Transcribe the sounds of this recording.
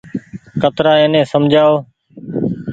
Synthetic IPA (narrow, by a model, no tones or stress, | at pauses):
kət̪ɾaːẽːnẽːsəmd͡ʒʱaːoː